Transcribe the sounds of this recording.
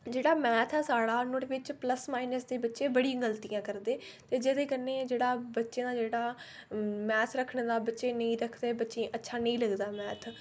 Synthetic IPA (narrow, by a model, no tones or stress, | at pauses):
d͡ʒeːɽaːmɛːt̪ʰɛːsaːɽaːnoʈʋɪt͡ʃpləsmaːɪnəsd̪eːbətːʃẽːbəɽĩɡəlt̪ijãːkəɾd̪eːt̪eːd͡ʒeːd̪eːkəneːd͡ʒeːɽaːbətːʃeːd̪aːd͡ʒeːɽaː | mɛːt̪ʰɾəkʰɳd̪aːbətːʃẽːnəĩːɾəkʰd̪eːbətːʃẽːʔətːʃʰaːnəĩːləɡd̪aːmɛːt̪ʰ